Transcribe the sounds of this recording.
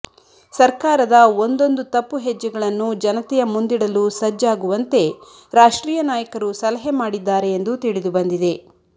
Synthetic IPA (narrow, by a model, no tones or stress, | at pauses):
sɐɾkaːɾɐd̪ɐond̪o̞nd̪ut̪ɐpːuɦed͡ʒːɐɡɐɭɐnːud͡ʒɐnɐt̪ɛjɐmund̪iɽɐlusɐd͡ʒːaːɡuʋɐnt̪e̞ | ɾaːʂʈɾiːjɐnaːjɐkɐɾusɐlɐɦemaːɽid̪ːaːɾe̞jːnd̪ut̪iɭid̪ubɐnd̪id̪e̞